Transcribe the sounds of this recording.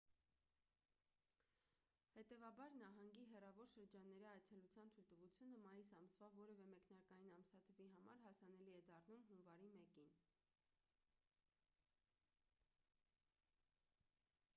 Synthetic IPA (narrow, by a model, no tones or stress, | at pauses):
hɛt̪ɛvɑbɑɾnɑɦɑŋɡiɦɛrɑvɔɾʃəɾd͡ʒɑnːɛɾiɑjt͡sʰɛlut͡sʰjɑnt̪ʰujlt̪əvut͡sʰjunəmɑjisɑmsvɑvɔɾɛvɛmɛknɑɾkɑjinɑmsɑt̪ʰəviɦɑmɑ̰ɾɦɑsɑn̪ɛliɛd̪ɑrnumɦunvɑɾimɛkin